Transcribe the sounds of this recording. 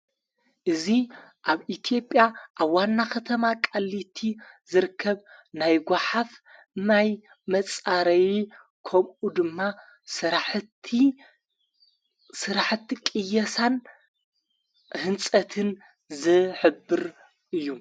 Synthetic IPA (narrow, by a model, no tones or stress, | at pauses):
ʔɨziʔaβit̪ʰijo̞pʼːjaʔaβwanːakʰɐt̪ʰɐmakʼalːit̪ʰi | zɨɾɨkʰːɐβnajɡʷaħaf | naj | mɐt͡sʼaɾɐwi | kʰɐmʔud̪ɨmːa | sɨɾaħt̪ʰi | sɨɾaħt̪ʰːikʼɨjɐsan | hɨnt͡sʼɐt̪ʰɨn | zɨħɨbːɨɾ | ʔɨjːu